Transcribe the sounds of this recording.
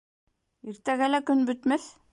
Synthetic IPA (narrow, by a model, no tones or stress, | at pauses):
iɾt̪æɡælækɵnbɵt̪mɘθ